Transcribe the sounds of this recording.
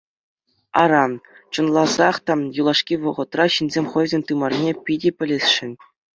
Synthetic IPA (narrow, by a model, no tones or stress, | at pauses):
ɑɾɑt͡ɕɤ̆nlˠɑzɑχt̪ɑjulˠɑʂkʲiʋɤ̆ʁɤ̆t̪rɑɕinʲzʲemʲχɤ̆jzʲenʲt̪ɯmɑrnʲepʲidʲepʲɘ̆lʲesʲʂɘ̆nʲ